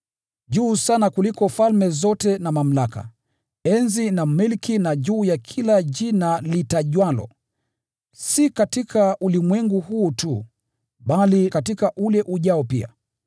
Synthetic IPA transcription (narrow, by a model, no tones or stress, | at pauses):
ʄuːsanakulikɔfalmɛzɔtɛnamam̩laka̰ | ɛnzinamilkinaʄuːjakʰilaʄinalitaʄwalɔ̰ | sikatikʰaʔulimwɛŋɡuhuːtu | ɓalikatikaʔulɛʔuʄaɔpia̰